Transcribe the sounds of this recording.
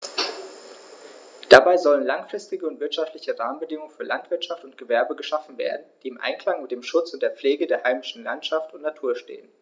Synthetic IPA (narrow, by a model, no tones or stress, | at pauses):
d̥abaɪzɔlənlaŋfʁ̥ɪstɪɡəʊntv̥ɪɐtʃaftlɪçəʁaːmən̩bədɪŋʊŋənfyːɐlantv̥ɪɐtʃaftʊntɡ̥əvɛɐbəɡəʃafn̩vḛːɐdn̩d̥iːɪmʔa̰ɪnkʰl̥aŋmɪt̚d̥eːmʃʊt͡sʊnt̚d̥eːɐp͡fleːɡədeːɐhaɪmɪʃn̩lantʃaftʊntnatʰuːɐʃtḛːən